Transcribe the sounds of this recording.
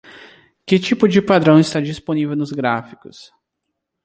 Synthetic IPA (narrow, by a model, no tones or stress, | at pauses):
kɪt͡ʃipʊd͡ʒɪpad̪ɾɐ̃w̃ɪst̪ad͡ʒisponivewnʊzɡɾafi̥kʊs